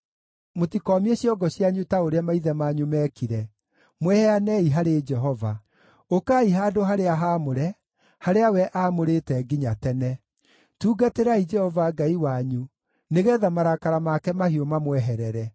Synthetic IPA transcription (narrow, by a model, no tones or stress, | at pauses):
motikɔːmieɕjɔɡɔɕjaɲutaoɾeamaiðɛmaːɲumɛkiɾɛ | mwɛhɛanɛiɦaɾed͡ʒɛɦɔva | okaiɦaːdoɦaɾeaɦaːmoɾɛ | haɾeawɛʔaːmoɾetɛɡiɲatɛnɛ | tuːɡateɾaid͡ʒɛhɔvaɡaiwaɲu | neɣɛːðamaɾakaɾamakɛmahiomamwɛɦɛɾɛɾɛ